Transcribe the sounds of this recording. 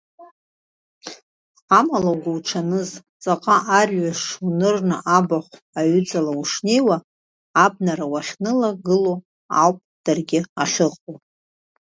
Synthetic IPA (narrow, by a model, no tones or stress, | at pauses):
amalaɡʷawʈ͡ʂʰanɨz | t͡sʼaqʼaʔarʲɥaʂunɨrnɨʔabaχʷ | aɥʏd͡zalauʂne̞jwaː | b̚naɾawaχʲnɨlaɡɨlo | a̰wpʼd̥arɡʲɪaχʲɨqʼo